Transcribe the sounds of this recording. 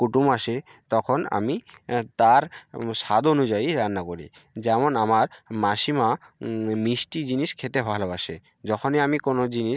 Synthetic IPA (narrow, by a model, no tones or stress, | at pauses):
kuʈumaʃe | t̪ɔkʰona̰mit̪aɾʃad̪onud͡ʑaiɾanːakoɾḭ | d͡ʑɛmonamaɾmaʃimamisʈid͡ʑiniʃkʰet̪ebʱaɦlabaʃe | d͡ʑɔkʰoniamikonod͡ʑiniʃ